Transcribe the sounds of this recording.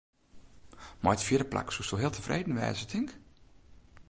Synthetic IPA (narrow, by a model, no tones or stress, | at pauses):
mɔjtfjɪdəplʔa̰ksustoɦɪəlˠtʰəvrʔejdn̩ʋɛ̰ːzətʰɪŋk